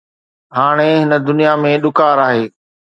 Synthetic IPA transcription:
ɦaːɽ̃eɦɪnə̆d̪ʊnijamẽɗʊkaːɾaːɦeː

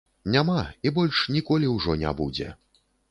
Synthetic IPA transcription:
nʲamaibɔlʲʂnʲikɔlʲiwʐɔnʲa̰bud͡zʲɛ̰

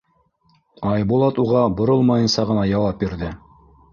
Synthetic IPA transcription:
ɑjbulˠɑt̪uʁɑbŏɾolˠmɑjɤ̆nsɑʁɤ̆nɑjɑwɑp̚biɾðɘ

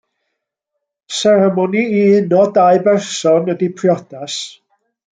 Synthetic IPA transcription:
sɛɾɛmɔniiɨnɔdaɨbɛrsɔnədipʰrjɔd̥as

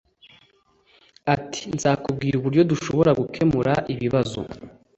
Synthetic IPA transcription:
atʰi̥nzaːkub̚ɡiːɾuβuɾjɟo̞duʃo̞βo̞ɾaɡukʰe̞muɾaʔiβiβazo̞̰

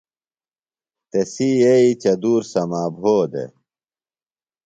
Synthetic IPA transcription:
t̪esiːeit͡ɕɐd̪uːɾsɐmaːbʱoːd̪ḛ

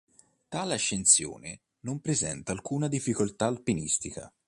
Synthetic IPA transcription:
t̪aːleaʃːent̪sjo̰ːne | nompɾezɛ̰nt̪aːlkuːnad̪ifːikolt̪aːlpinḭst̪ika̰

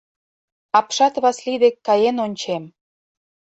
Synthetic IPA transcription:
ɑpʃɑt̪βɑslid̪ekːɑjenonʲt͡ɕem

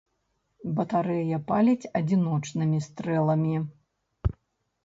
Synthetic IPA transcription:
bɐt̪aɾɛjɐpalʲit͡sʲɐd͡zʲinɔt͡ʂnɨmʲist̪ɾɛlˠɐmʲi

